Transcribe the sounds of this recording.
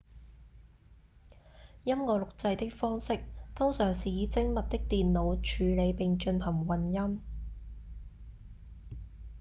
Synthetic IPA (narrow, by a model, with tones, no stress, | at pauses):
jɐ˥mŋɔː˨˧lʊ˨k̚t͡sɐ˧jt̪ɪ˥k̚fɔː˥ŋsɪ˥k̚t̪ʰʊ˥ŋsœː˨˩ŋsiː˨jiː˨˧t͡sɪ˥ŋmɐ˨t̚t̪ɪ˥k̚t̪iː˨nlo˨˧wt͡ʃʰyː˨˧le˨˧jpɪ˨ŋt͡ʃɵ˧nhɐ˨˩ŋwɐ˨njɐ˥m